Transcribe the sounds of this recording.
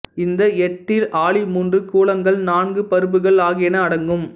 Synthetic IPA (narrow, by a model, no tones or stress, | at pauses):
ɪnd̪ɐɛʈːɪlʔaːɭimuːndrɯkːuːɭɐŋɡɐɭnaːnɡɯpɐɾɯbɯɣɐɭaːɣɐɛnɐːɽɐŋɡɯm